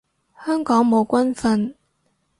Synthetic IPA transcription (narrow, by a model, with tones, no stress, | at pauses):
hœ˥ŋkɔ˨˥ŋmo˨˥wkwa˥nfə˧n